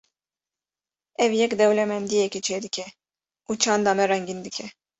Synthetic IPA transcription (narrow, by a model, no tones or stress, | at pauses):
ɛvjɛkd̪ɛvlɛmɛnd̪ijɛkit͡ʃʰɛd̪icʰʲɛ | ut͡ʃʰand̪amɛɾɛŋɡind̪ikʲʰɛ